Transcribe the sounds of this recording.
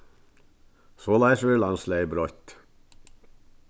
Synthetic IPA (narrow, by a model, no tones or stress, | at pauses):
soːlæɪsʋɪlɑnslebɾɔʏt̪